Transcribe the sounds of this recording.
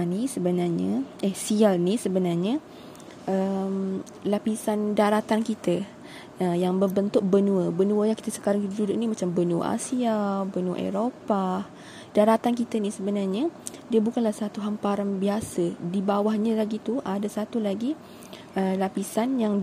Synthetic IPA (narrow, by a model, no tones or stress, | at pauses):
nisəbənarɲa̰ʔəhsialnisəbənarɲə | ʔəm | lapisandaɾat̪ankit̪ə | əjaŋbəbənt̪ʊk̚bənũəbənũəjaŋki̥t̪əsə̥kaɾaŋkit̪ədudʊʔnimãt͡ʃambənuə̰ʔa̰siabənuə̰ʔɛ̰ɾopa | daɾat̪ankit̪ənisəbənarɲadiəbukanlahsat̪uɦampaɾanbiasədibawahɲəlaɡit̪uʔadasat̪ulaɡi | əlapisanjaŋ